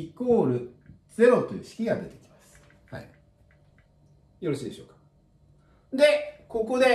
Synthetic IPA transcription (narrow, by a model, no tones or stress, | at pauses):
iko̞ːɾɯ̟d͡z̥e̞ɾo̞t̪ojɯ̟ɕi̥kʲiɡad̪e̞t̪e̞̥kʲi̥masɨ̥ | ha̰i | jo̞ɾo̞ɕiːd̪eɕo̞ːkḁ | d̪e̞ko̞ko̞d̪e̞